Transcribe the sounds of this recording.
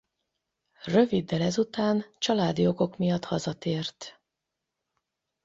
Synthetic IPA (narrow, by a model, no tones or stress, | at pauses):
rø̞vid̪ːɛlɛzut̪aːnt͡ʃɒlaːd̪ijoɡo̞kmijɒt̪hɒzɒt̪eːrt̪